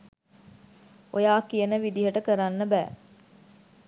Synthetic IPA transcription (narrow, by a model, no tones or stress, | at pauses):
ʔojaːkijɐnəʋid̪iɦɐʈəkəɾanːəbæ̰ː